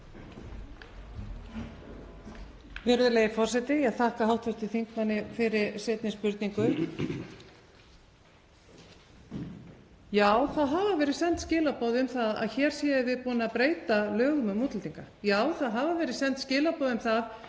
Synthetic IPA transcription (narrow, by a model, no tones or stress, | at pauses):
vɪɾʏðʏleːjɪfɔr̥sɛt̪ɪaθaːhkaɦawht̪vʏt̪ɪθiŋkmanːɪfɪɾɪɾsɛːt̪nɪspʏɾt̪niŋkʏ | jaːwθaðɦavavɛːɾɪðsɛn̥t̪scɪːlapoːðɪʏmθaða̰ðçɛːɾ̥sjiːðvɪðpɔːnapɾeːjt̪alœːɣʏmʏmuːt̪lʏlt̪ʰiŋka | jaːwθaðɦavavɛːɾɪðsɛnt̪scɪːlapɔðʏmθað